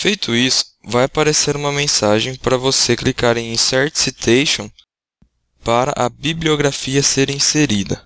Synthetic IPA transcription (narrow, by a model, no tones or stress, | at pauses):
fejt̪ʰʊisʊ̥vajapaɾeseɾũmɐmẽsaʒẽj̃paɾɐvoseklikaɾẽj̃ĩsɛɾt̪sit̪ʰejʃõ | paɾɐ̰ʔɐbiblioɡɾafiɐseɾĩseɾid̪ɐ̰